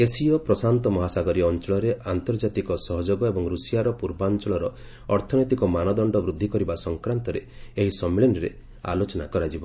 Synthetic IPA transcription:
esiɔpɾɔsant̪ɔmɔɦasaɡɔɾiɔːnt͡ʃɔɭɔɾeʔant̪ɔɾd͡ʒat̪ikɔsɔɦɔd͡ʒoɡɔebɔŋɾusijaɾɔpuɾbant͡ʃɔɭɔɾɔ | ɔɾt̪ʰɔnɔt̪ikɔmanɔd̪ɔɳɖɔbɾud̪ʱːikɔɾibasɔŋkɾant̪ɔɾeeɦisɔmːiɭenɔɾḛ | a̰lot͡ʃɔnakɔɾad͡ʒibɔ

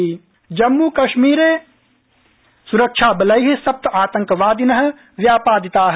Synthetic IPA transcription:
d͡ʒɐmːukɐʃmiːɾeː | suɾəkʃʰaːbɐlɐjɦsɐp̚t̪aːt̪ɐ̃ŋkʋaːd̪inɐɦɐ̆ | ʋjaːpaːd̪it̪aːɦ

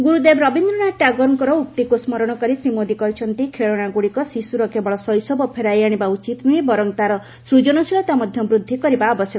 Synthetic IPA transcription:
ɡuɾud̪ebɾɔbind̪ɾɔɽaʈaɡɔɾŋkɔɾɔuk̚t̪ikosmɔɾɔɽ̃ɔkɔɾisɾimod̪ikɔɦjt͡ʃʰɔnt̪ikʰeɭɔɽ̃aɡuɽikɔsisuɾɔkebɔɭɔsɔjsɔbɔpʰeɾajaɽ̃ibaut͡ʃit̪nujbɔɾɔŋt̪aɾɔ | sɾud͡ʒɔnɔsiɭɔt̪amɔd̪ʱjɔbɾud̪ʱːikɔɾibaːbɔsjɔk

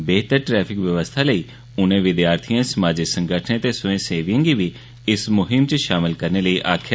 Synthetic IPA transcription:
beːɦt̪əɾʈɾɛːpʰɪkʋjəʋəst̪ʰaːləiː | ʊnẽːʋɪd̪jaːɾt̪ʰijãːsəmaːd͡ʒɪksə̃ŋɡəʈʰnẽːt̪eːsʊẽːseːʋijə̃ːɡiːʋiː | ɪsmʊɦɪmt͡ʃəʃaːmɪlkəɾneːləiːʔaːkʰːja

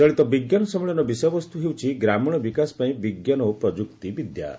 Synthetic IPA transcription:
d͡ʒɔɭit̪ɔbiɡjanɔsɔmɔɭɔnɔbisɔjɔbɔst̪uɦewt͡ʃʰiɡɾamɔɽ̃ɔbikasɔ̥paĩbiɡjanɔpɾɔd͡ʒukt̪ibid̪ja̰

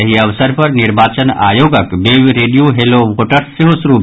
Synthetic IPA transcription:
ɐɦiɐʋsəɾpɐɾnɪɾbaːt͡ʃəna̰ːjoːɡəkbeːʋɾeːɖijoɦeloʋoːʈəɾseɦosʊɾuːb

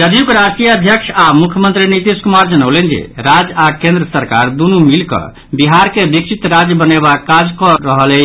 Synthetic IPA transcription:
d͡ʒəd̪ʱijukɾasʈijəəd̪ʱjəkʃʰamukʰjəmənt̪ɾinit̪iskumaɾd͡ʒənəwlend͡ʒḛɾad͡ʒakẽnd̪ɾəsəɾka̰ɾd̪unumilkə̰ | biɦaɾkebik̚t͡ʃʰit̪ɾad͡ʒjəbənebakːad͡ʒkɔɾəɦəlɛ

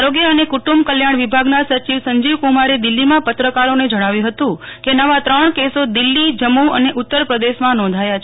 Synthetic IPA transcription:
ɾoɡjəənekuʈumbkəljaɳ̃ʋibʱaɡnasəɾt͡ʃiʋsəɲd͡ʒiʋkumaɾed̪ɪlːimãpət̪ɾəkaɾoned͡ʒəɽ̃aʋjũɦət̪ũkenəʋat̪ɾəɳkesod̪ɪlːid͡ʒəmuəneʔut̪ːəɾpɾəd̪eʃmãnɔ̃nd̪ʱajat͡ʃʰ

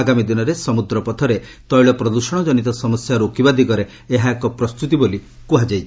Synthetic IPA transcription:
aɡamid̪inɔɾesɔmud̪ɾɔpɔt̪ʰɔɾe | t̪ɔjɭɔpɾɔd̪usɔɽ̃ɔd͡ʒɔnit̪ɔsɔmɔsjaɾokibad̪ikɔɾe | eɦaekɔpɾɔst̪ut̪iboli | kuɦad͡ʒajt͡ʃʰi

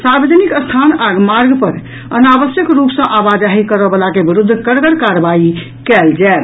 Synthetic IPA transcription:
saɾbəd͡ʒnikəst̪ʰanaɡmaɾɡpəɾ | ənabəsjəkɾupsə̃ʔabad͡ʒaɦikəɾəbəlakebiɾud̪ʱːkəɾɡəɾkaɾbai | kɛld͡ʒɛe

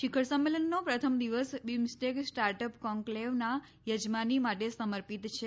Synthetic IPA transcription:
ʃikʰəɾsəmːelənːopɾət̪ʰəmd̪iʋəsbimsʈeksʈaɾʈəpkɔŋkleʋna | jəd͡ʒmanimaʈesəməɾpit̪t͡ʃʰe

